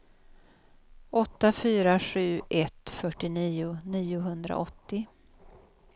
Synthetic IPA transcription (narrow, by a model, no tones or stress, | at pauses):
ʔɔt̪ːafyːɾaɧʉ̟ːʔɛt̪fœʈːɪniːʊniːʊɦɵnd̪ɾa̰ʔɔt̪ːɪ